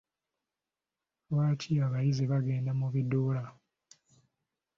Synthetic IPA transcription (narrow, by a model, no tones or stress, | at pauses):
βaːtʰiaβajizeβaɡe̞ːndamuβidoːla